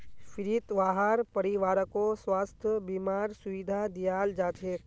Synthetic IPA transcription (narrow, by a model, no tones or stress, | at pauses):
fɪɾit̪ʋaːɦaːɾpɐɾiʋaːɾəkoswaːst̪ʰəbiːmaːɾsʊʋid̪ʱad̪ijaːld͡ʒaːt̪ʰeː